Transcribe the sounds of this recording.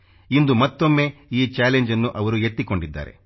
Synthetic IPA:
ind̪umɐt̪ːo̞mːe̞ːiːt͡ʃaːleɲd͡ʒɐnːuʔɐʋɐɾue̞t̪ːiko̞ɳɖid̪ːa̰ːɾe̞̰

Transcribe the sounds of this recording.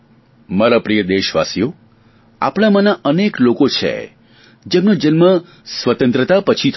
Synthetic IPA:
maɾapɾijəd̪eʃʋa̰sijo | a̰pɽ̃amanaʔəneklokot͡ʃʰḛ | d͡ʒemnod͡ʒənmə | sʋət̪ə̃nt̪ɾət̪apət͡ʃʰit̪ʰ

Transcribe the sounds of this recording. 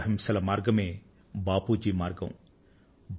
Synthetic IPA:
ɦimsɐlɐmaːɾɡɐmeː | baːpuːd͡ʒiːmaːɾɡɐ̰̃m | b

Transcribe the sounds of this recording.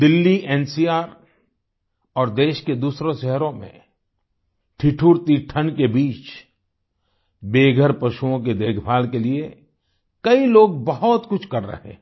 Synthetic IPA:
d̪ɪlːiʔɛːnsiːaːɾ | ɔːɾd̪eːʃked̪uːsɾõʃɛɦɾõmḛ̃ | ʈʰiʈʰuːɾt̪iʈʰənkebiːt͡ʃ | beːɡʱəɾpɐʃuõk̬ed̪eːkʰbʱaːlkelie | kɐiloːɡ̚bəɦɔt̪kʊt͡ʃʰkɐɾːə̰ɦḛ̃ː

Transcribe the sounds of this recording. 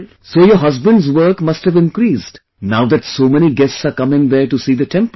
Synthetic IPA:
soːjɔɦʌzbə̃nɖzʋəɾkmʌsʈhæʋɪ̃nkɾiːsɖ | naʊd̪æʈsoːmɛñiɡɛstsaːɾkʌmɪ̃ŋd̪əːɾʈusiːd̪əʈʰɛ̃mp

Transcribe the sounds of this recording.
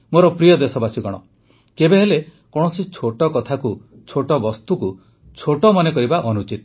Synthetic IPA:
moɾɔpɾijɔd̪esɔbasiɡɔɽ̃ɔ̰ | kebeɦele | kɔɽ̃ɔsit͡ʃʰoʈɔkɔt̪ʰaku | t͡ʃʰoʈɔbɔst̪uku | t͡ʃʰoʈɔmɔnekɔɾibaʔɔnut͡ʃit̪

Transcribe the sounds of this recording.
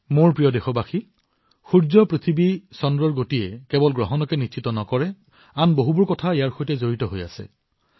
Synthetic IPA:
moɹpɹijɔdexɔbaxi | xuɹzɔpɹit̪ʰibisɔndɹɔɹɡotiɛkɛbɔlɡɹɔɦɔnɔkɛnitt͡ʃitɔnɔkɔɹɛ | anboɦubʊɹkɔtʰaijaɹxojtɛzoɹitɔɦoja̰sɛ̰

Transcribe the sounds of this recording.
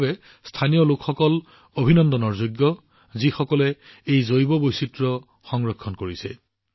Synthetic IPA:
bɛ | stʰanijɔlʊkxɔkɔl | obʱinɔndɔnɔɹzoɡjɔ | zixɔkɔlɛejzojbɔbojsitɹɔ | xɔŋɹɔkʰːɔnkoɹisɛ̰

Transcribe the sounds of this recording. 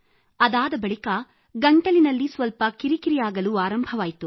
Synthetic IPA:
ɐd̪aːd̪ɐbɐɭikɐ | ɡɐɳʈɐlinɐlːisʋɐlpɐkiɾikiɾijaːɡɐluːaːɾɐmbʱɐʋaːjt̪u

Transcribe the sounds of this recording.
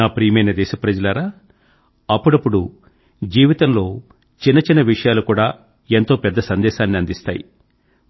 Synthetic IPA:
aːpɾiːjmɐjnɐd̪ɛːʃɐpɾɐd͡ʒɐlaɾaː | ɐpːuɽɐpːuɽu | d͡ʒiːʋit̪ɐmlo̞ː | t͡ʃinːɐt͡ʃinːɐʋiʂɐjaːlukuːɽaː | e̞nt̪o̞ːpɛd̪ːɐsɐnd̪ɛːʃaːnːiɐnd̪ist̪a̰ːjḭ

